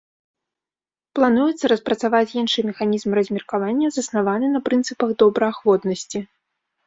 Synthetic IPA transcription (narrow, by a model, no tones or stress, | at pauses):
plˠanujɛt̪sːɐɾɐspɾɐt̪savat͡sʲinʂɨmʲɛxanʲizmrɐzʲmʲɛrkavanʲːɐzɐsnavanɨnɐpɾɨnt̪sɨpɐɣd̪ɔbɾɐaxvɔt̪nɐsʲt͡sʲi